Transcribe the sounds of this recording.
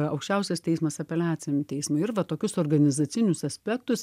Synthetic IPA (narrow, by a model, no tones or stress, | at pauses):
ɐʊkʃʲt͡ʃʲɛʊsʲɛst̪ʲɛɪsmɐsɐpʲɛlʲæːt͡s̪ʲɪjʲmt̪ʲɛɪsmʊɪɪɾʋɐt̪oːkʲʊsoːɾɡɐnʲɪzɐt͡s̪sʲɪnʲʊsɐsʲpʲɛkt̪ʊs